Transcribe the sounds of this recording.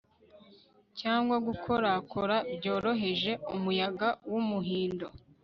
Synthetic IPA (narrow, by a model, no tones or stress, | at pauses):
caːŋɡwaɡukʰo̞ɾakʰoɾabjo̞ːɾo̞ɦe̞ʒe̞umujaɡawumuɦiːndo̞